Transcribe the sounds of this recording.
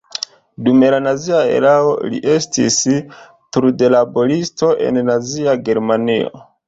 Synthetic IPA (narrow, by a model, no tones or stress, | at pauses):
dume̞lanaziae̞̰ɾao̞lḭʔe̞stḭs | tuɾde̞labo̞ɾisto̞ʔe̞̰nnaziaɡe̞ɾmanio̞̰